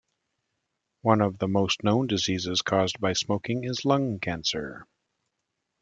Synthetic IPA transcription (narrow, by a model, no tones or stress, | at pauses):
wʌ̃nʌvðəmoʊstnõʊ̃ndɨzizɨz̥kʰɔzbaɪsmoʊkɪ̃ŋɪzlʌ̃ŋkʰæ̃nsə̰˞